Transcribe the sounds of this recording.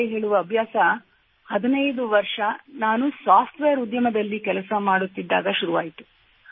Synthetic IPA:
eɦe̞ːɭuʋɐːbʱjaːsɐ | hɐd̪inɐjd̪uʋɐɾʂɐnaːnusaːpʰʈʋeːjɐɾud̪jɐmɐd̪ɐlːikɛlɐsɐmaːɽut̪ːid̪ːaːɡɐʃuɾuʋaːjit̪u̥

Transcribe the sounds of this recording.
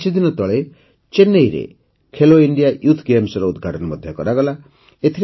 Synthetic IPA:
sid̪inɔt̪ɔɭe | t͡ʃenːejɾḛ | kʰeloiɳɖijajut̪ʰɡemsɔɾɔud̪ɡʱaʈɔnɔmɔd̪ʱjɔkɔɾaɡɔla | et̪ʰiɾ

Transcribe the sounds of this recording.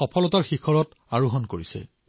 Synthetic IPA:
ɔpʰɔlɔtaɹxixʰɔɹɔt | aɹuɦɔnkoɹisɛ̰

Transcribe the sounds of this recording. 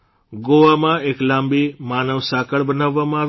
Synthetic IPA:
ɡoʋamãeklãːmbimaːnəʋsakəɭbənaʋːamã

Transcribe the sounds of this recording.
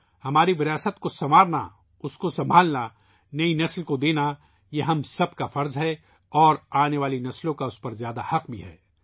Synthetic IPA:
hɐmaːɾiʋɪɾiaːsət̪kosɐmaːɾna̰ | ʊskosɐ̃mbʱaːlna | nɐinɐslkod̪eːna | jeɦɐmsɐb̚kafɐɾzɦɛ | ɔːɾaːneʋaːlinɐslõkaʊspɐɾzjaːd̪ahɐqbʱḭɦɛ̰ː

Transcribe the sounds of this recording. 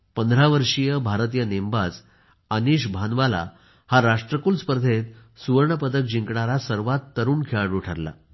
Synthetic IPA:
pənd̪ʱɾaʋəɾʂijəbʱaɾt̪̬ijənembad͡z | əniɕbʱanʋala̰ | haɾaʂʈɾəkulspəɾd̪ʱet̪ | suʋəɾɳəpəd̪ək̚d͡ʑiŋkɽaɾasəɾʋat̪ːəɾuːnkʰeɭaʈuʈʰəɾla̰

